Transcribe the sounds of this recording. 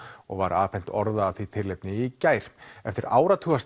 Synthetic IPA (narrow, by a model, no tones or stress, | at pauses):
ɔ̰ɣvaɾʔaːfɛn̥t̪ɔɾðaːvθit̪ʰɪlːejpnɪicaːjɾ̥ɛft̪ɪɾaːwɾat̪ʰuas